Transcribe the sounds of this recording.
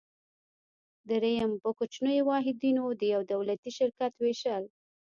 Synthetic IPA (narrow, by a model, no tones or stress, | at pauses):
d̪əɾejampəkʊt͡ʃnəjewɑɦɪd̪inod̪əjawd̪awlat̪iʃɪɾkat̪weʃəl